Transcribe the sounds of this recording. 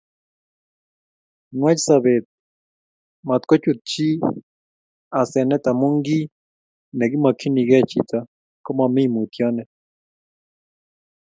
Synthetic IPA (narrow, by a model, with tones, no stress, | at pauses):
nwa˦t͡ʃi˦sa˨βɛ˨t̪̚ | ma˨t̪kɔ˦t͡ʃu˨tt͡ʃi˦ | a˨sɛ˨nɛ˦t̪a˨mu˦ŋɡi˦ | nɛ˨ɡi˦ma˨kʰi˦ni˨ɣɛ˦t͡ʃḭ˨ta˦ | ko˦ma˨mi˦˨mu˨t̪jɔ˦nɛ˨